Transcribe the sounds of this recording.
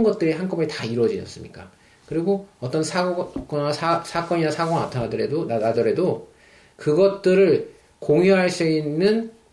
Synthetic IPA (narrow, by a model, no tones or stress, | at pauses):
nɡʌt̚t͈ɯɾeɦank͈ʌbetaiɾwʌd͡ʑiɲʌ̰s͈ɯmɲik͈a̰ | kɯɾiɡoʌt͈ʌnsʰaok͈nasʰasʰak͈ʌɲinasʰaɡoŋna̰tʰanadʌɾedonaadʌɾe̞do | kɯɡʌt̚t͈ɯɾɯɭ | koŋjuɦaɭs͈uinːɯn